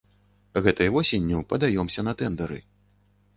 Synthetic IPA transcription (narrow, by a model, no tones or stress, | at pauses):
ɣɛt̪ɐjvɔsʲenʲːuwpɐd̪ajɔmsʲɐnɐt̪ɛnd̪ɐɾɨ̰